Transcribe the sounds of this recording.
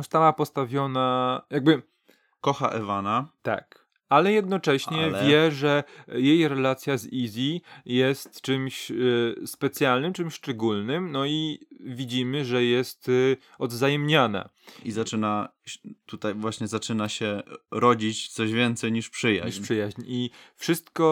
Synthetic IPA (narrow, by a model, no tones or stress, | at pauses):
ɔst̪awapɔst̪avʲjɔnajaɡ̚bɘ | kɔxa̰ʔɛvanat̪a̰k | alɛjɛd̪̚nɔt͡ʂɛɕɲɛvʲjɛʐɛjejɾɛlat̪sʲjazizʲijɛst̪t͡ʂɘmɕ | spɛt̪sʲjalnɘmt͡ʂɘmɕʂt͡ʂɛɡulnɘmnɔivʲid͡ʑimɘʐɛjɛst̪ | ɔd̪zajɛmɲana̰ | izat͡ʂɘna | t̪ut̪ajvwaɕɲɛzat͡ʂɘnaɕɛɾɔd͡ʑit͡ɕt̪sɔʑvʲjɛnt̪sɛjɲiʂpʂɘja̰ipʂɘjaʑɲifʂɘst̪kɔ